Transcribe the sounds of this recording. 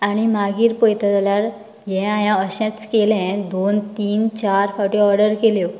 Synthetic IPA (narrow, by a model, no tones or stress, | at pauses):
aɽ̃imaɡiːɾpɔjt̪at̪aljaɾ | jɛ̃ãjãəɕɛ̃t͡st͡skelɛ̃d̪ont̪iːnt͡ɕaɾfɔʈiɔɾɖəɾkeljo